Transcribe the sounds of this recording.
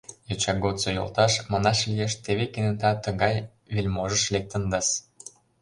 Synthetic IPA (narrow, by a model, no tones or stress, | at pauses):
jot͡ɕɑɡot̪t͡sojo̰lt̪ɑʃmɑnɑʃlijeʃt̪eβekenet̪ɑt̪ə̆ɣɑj | βelʲmoʒəʃlek̚t̪ə̆nd̪ɑs